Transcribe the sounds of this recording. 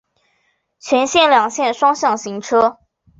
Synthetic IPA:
t͡ɕʰɥɛ˧˥nɕjɛ˥˩nljɑ˨˩ŋɕjɛ˥˨nʂwɑ˥ŋɕjɑ˥˩ŋɕi˧˥ŋʈ͡ʂʰɤ˥

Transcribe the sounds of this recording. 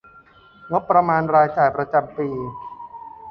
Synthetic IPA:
ŋo˦˥pːɾa˧maː˧nɾaː˧jt͡ɕaː˨˩jpɾa˧t͡ɕa˧mpiː˧

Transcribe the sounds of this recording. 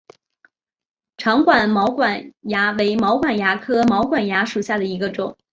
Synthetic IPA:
ʈ͡ʂʰɑ˧˥ŋkwa˨˩nmɑ˧˥ʊkwa˨˩nja˧˥we˧˥ɪmɑ˧˥ʊkwa˨˩nja˧˥kʰɤ˥mɑ˧˥ʊkwa˨˩nja˧˥ʂu˨˩ɕja˥˩d̪ə˩i˧˥ɡə˧ʈ͡ʂʊ˨˩˦ŋ

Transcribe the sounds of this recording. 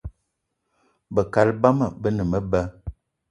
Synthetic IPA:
bə˨ka˨lba˦mə˨bə˦nə˨mə˦bə˦

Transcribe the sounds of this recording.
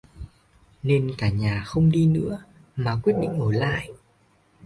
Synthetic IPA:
ne˧nkaː˧˩ɲaː˨˩xə˧wŋ͡mɗi˧nɨ̰˧˥ə | maː˨˩kwi˦˥ət̚ɗḭ˧˨ŋ̟ʔəː˧˩la̰ː˧˨jʔ

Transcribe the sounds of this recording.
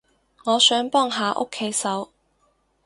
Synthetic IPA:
ŋɔː˨˧sœː˨˥ŋpɔː˥ŋɦaː˨ʔo̰˥kʰːe˨˥jsɐ˨˥w

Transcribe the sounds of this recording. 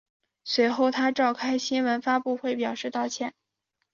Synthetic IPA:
swe˧˥ɪxo˥˩ʊt̪ʰa˥ʈ͡ʂɑ˥˩ʊkʰa˥ɪɕi˥nwə˧˥nfa˥pu˥˧xwe˥˩ɪpjɑ˨˩ʊʂɻ̩˥˧t̪ɑ˥˧ʊt͡ɕʰjɛ˥˩n

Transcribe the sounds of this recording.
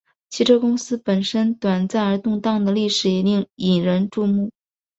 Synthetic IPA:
t͡ɕʰi˧˥ʈ͡ʂʰɤ˥kʊ˥ŋsɹ̩˥pə˨˩nʂə˥nt̪wa˨˩nt͡sa˥˩ɪə˞˧˥t̪ʊ˥˧ŋt̪ɑ˥˩ŋd̪ə˩li˥˩ʂɻ̩˨˩i˨˩˥i˨˩ɻə˧˥nʈ͡ʂu˥˧mu˥˩

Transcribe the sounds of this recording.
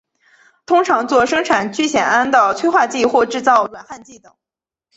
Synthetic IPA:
t̪ʰʊ˥ŋʈ͡ʂʰɑ˧˥ŋt͡swɔ˥˩ʂɤ˥ŋʈ͡ʂʰa˨˩nt͡ɕy˥˩ɕjɛ˨˩na˥nd̪ə˨t͡sʰwe˥ɪxwa˥˧t͡ɕi˥˧xwɔ˥˧ʈ͡ʂɻ̩˥˧t͡sɑ˥˩ʊlwa˨˩nxa˥˧nt͡ɕi˥˩t̪ɤ˨˩˦ŋ

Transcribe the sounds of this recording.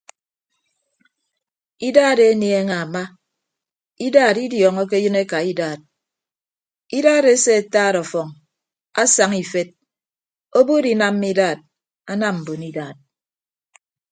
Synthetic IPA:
i˦daː˦˨de˦ni˨˦e˦ŋa˨ma˦ | i˦daː˦˨ɾi˦djɔː˨ŋɔ˦k̬e˦jɨ˦ne˦ka˨i˦daː˦˨t̚ | i˦daː˦˨ɾe˦se˦a˨taː˦˨ɾɔ˨fɔ˨ŋ | a˦sa˨ŋi˨fe˦t̚ | o˦bu˦di˨na˦m˦mi˦daː˦˨t̚ | a˦na˦mm̩˨bu˨ni˦daː˨t̚

